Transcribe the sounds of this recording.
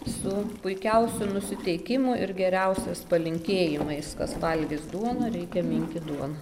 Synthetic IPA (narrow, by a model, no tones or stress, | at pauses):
sʊpʊɪkʲɛʊsʲʊnʊsʲɪt̪ʲɛɪkʲɪmʊʔɪɾɡʲɛɾʲɛʊsʲɛspɐlʲɪŋʲkʲeːjɪmɐɪskɐsʋɐlʲɡʲɪsd̪uɔnɐɾʲɛɪkʲɛmʲɪŋʲkʲɪd̪uɔnɐ